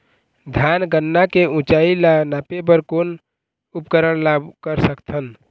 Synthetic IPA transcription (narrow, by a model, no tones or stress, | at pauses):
d̪ʱjanɡənːakeũt͡ʃailanapebəɾkon | upkəɾəɽ̃labkəɾsəkt̪ʰən